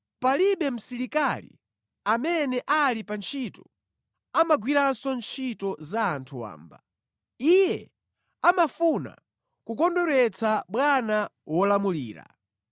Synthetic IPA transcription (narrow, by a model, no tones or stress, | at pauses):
paliɓɛm̩siɾikalḭ | amɛnɛʔalipant͡ʃʰitɔ | amaɡwiɾansɔnt͡ʃʰitɔzaːntʰuwa̰ːmba̰ | ijɛ | amafuna̰ | kukɔndɔɾɛt͡sʰaɓwanawɔlamuliːɾa̰